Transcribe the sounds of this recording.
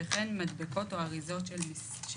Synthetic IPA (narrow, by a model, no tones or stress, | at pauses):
eχenmadbeko̞toaʁizo̞tʃelmi | ʃ